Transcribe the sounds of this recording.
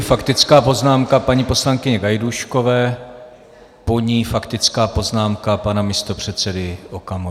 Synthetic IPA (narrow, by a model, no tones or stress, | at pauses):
fakt̪ɪt͡skaːpo̞znaːmkapaɲipo̞slaŋkɪɲɛɡajduʃko̞vɛː | po̞ɲiːfakt̪ɪt͡skaːpo̞znaːmkapanamɪst̪o̞pr̝̥ɛt̪t͡sɛdɪʔokamo